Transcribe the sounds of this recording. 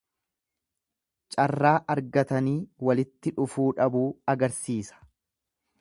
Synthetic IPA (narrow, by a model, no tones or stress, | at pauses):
t͡ʃʼɐrːaːʔɐɾɡɐt̪ɐniːwɐlɪt̪ːɪᶑʊfuːᶑɐbuːɐɡɐɾsiːsɐ̥